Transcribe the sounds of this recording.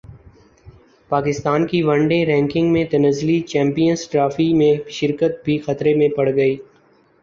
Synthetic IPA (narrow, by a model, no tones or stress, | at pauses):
paːkɪst̪aːnkiʋɐ̃ɳɖẽɾɛ̃ːŋkɪ̃ŋɡmẽt̪ɐnəzlit͡ʃɛ̃ːmpijənsʈɾaːfimẽʃɪɾkət̪̚bʱixɐt̪ɾemẽpɐɽɡɐiː